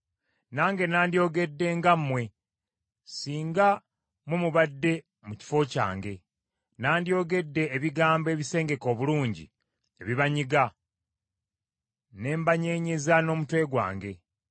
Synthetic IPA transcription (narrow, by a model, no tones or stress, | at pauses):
naːŋɡe̞naːndjo̞ːɡe̞dːe̞ːŋɡamːwe̞ | siːŋɡa | mwe̞muβadːe̞ | muci̥fo̞ca̰ːŋɡe̞ | naːndjo̞ːɡe̞dːe̞ːβiɡaːmbe̞ːβise̞ːŋɡe̞ko̞ːβuluːɲɟḭ | e̞βiβaɲiɡa | ne̞ːmbaɲe̞ːɲezano̞ːmutwe̞ːɡwa̰ːŋɡe̞